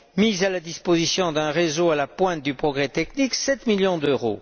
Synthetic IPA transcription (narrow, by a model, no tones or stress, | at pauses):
mizalad̪ispozisjɔ̃d̪ɛ̃ʁezoalapwɛ̃t̪̚d̪ypχɔɡʁɛt̪ɛkniksɛt̪miljɔ̃d̪øʁo̰